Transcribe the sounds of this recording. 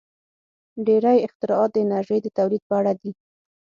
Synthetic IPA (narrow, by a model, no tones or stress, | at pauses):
ɖeɾajɪqt̪ɪɾɑɑt̪̚d̪əɪnaɾʒəjd̪ət̪awlid̪̚pəaɽad̪i